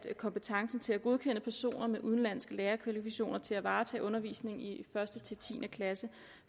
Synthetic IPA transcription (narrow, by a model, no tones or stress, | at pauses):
kʰɒ̽mpət͡sʰɑ̈ŋsn̩t͡sʰe̝læɡ̥o̝ð̞ˠkʰen̰əpʰæɐso̝̰ːnɐmeʔuð̞ˠn̩læn̰sɡ̥əleːɐkʰʋælifiɕo̝̰ːnɐt͡sʰe̝læʋɑ̈ːt͡sʰɛ̰ːʔɔ̽nɐʋḭːsne̝ŋ̩ifɶɐsd̥ət͡sʰe̝t͡sʰḭːnʔəkʰlæsə